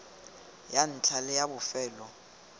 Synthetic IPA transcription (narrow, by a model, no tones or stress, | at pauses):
jan̩t͡ɬʰʼalɛjabʊfɛːlɔ